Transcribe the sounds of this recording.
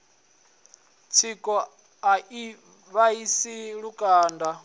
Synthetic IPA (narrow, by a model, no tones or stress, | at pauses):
t͡sʰikʼɔ | ai | βaisiɺukʼaːnda